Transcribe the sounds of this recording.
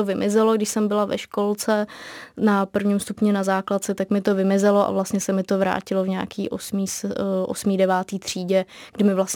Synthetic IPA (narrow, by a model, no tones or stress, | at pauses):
ovɪmʔɪzɛloɡdɪʃsɛmbɪlavɛ̰ʃkolt͡sɛnapr̩vɲimst̪upɲɛnazaːklat̪̚t͡sɛt̪akmɪt̪o̞vɪmɪzɛloʔa̰vlast̪ɲɛsɛmɪt̪o̞vɾa̰ːcɪlovɲa̰ːkiːʔo̰smiːsʔo̰smiːdɛvaːt̪iːt̪r̝̥iːɟɛɡ̥dɪmɪvlas